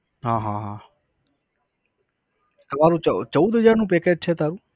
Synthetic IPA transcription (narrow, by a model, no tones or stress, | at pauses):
ɦãːɦãːɦãː | t̪ɐmaːɾũt͡ʃət͡ʃəud̪ʱɦəd͡ʒaːɾnũːpeːked͡ʒ̚t͡ʃʰeːt̪aːɾũː